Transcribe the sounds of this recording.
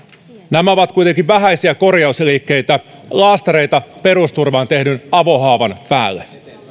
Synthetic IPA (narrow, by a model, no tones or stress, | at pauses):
næmæoʋɑt̪̚kujt̪eŋkiʋʋæɦæjsiæko̞rjɑuslikːe̞jt̪ælɑːst̪eɾe̞jt̪ɑpe̞ɾust̪urʋɑːnt̪e̞hnynɑʋo̞ɦɑːʋɑnpæ̰ːlːe